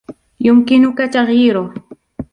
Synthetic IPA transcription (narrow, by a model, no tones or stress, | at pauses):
jʊmkɪnʊkat͡ʃɑχɪɾo